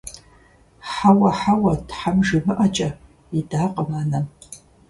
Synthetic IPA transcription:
ħawɐħawɐtʰħamʒɨmɨʔɐt͡ʃʼɐ | idaːqʼəmaːnɐn

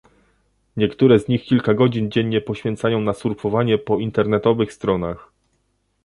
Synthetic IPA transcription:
ɲɛkt̪uɾɛzɲixkʲilkaɡɔd͡ʑind͡ʑɛɲːɛpɔɕfʲjɛnt̪sajɔ̃w̃nasuɾfɔvaɲɛpɔint̪ɛɾnɛt̪ɔvɘxst̪ɾɔnax

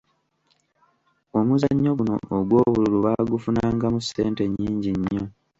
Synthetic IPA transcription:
omuzaɲːo̞ɡuno̞̰oɡwo̞ːβululuβaɡufunaːŋɡamusːe̞ːnte̞ɲːiːɲɟiɲːo̞

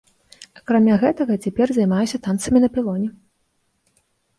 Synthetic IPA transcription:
akɾamʲaɣɛt̪ɐɣɐt͡sʲapʲɛrzajmajɛsʲɐt̪ant̪sɐmʲinɐpʲilˠɔnʲɛ

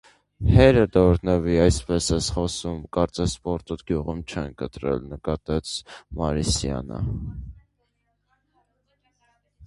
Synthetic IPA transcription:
hɛɾəd̪ɔɾnəviɑjspɛsɛsχɔsumkɑɾt͡sɛspɔɾt̪ut̪ɡjuʁumt͡ʃʰɛnkət̪ɾɛ̰lnəkɑt̪ɛt͡sʰmɑɾisjɑ̰nə̰

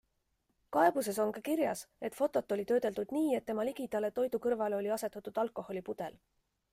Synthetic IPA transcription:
kɑe̞b̥use̞so̞ŋkɑkiɾjɑse̞t̪fo̞t̪ːˑo̞t̪ːo̞lʲit̪ø̞ːd̪̥e̞lt̪ud̪̥niːe̞t̪ːe̞mɑliɡ̥id̪̥ɑlet̪o̞jd̪̥ukɤɾvɑleo̞lʲiɑse̞t̪ːˑɑt̪ːˑud̪̥ɑlko̞ho̞lʲipud̪̥e̞l

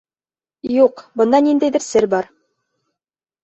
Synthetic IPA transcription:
juqbɤ̆nd̪ɑnind̪æjðɘɾsɘɾbɑɾ

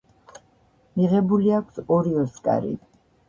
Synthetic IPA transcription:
miʁɛbuliakʰsɔɾiɔskʼa̰ɾḭ

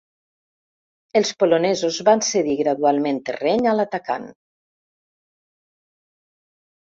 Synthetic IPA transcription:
elˠspolonɛzozβanseðiɣɾaðualˠment̪ḛrɛɲalat̪aka̰n

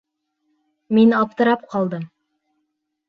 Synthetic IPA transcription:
minɑp̚t̪ɤ̆ɾɑp̚qɑlˠd̪ɤm

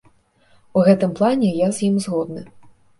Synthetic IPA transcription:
uɣɛt̪ɨmplˠanʲɛjazʲjimzɣɔd̪̚nɨ

